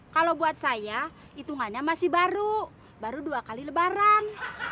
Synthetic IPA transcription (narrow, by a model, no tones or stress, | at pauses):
kalobuat̪̚saja | it̪uŋaɲamasihbaɾu | baɾuduakaliləbaɾan